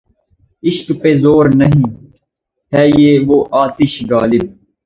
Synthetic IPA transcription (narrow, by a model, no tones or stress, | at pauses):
iʃkpezoːɾnɐɦĩː | hɛːjeːʋoːʔaːt̪iʃɡaːlib̚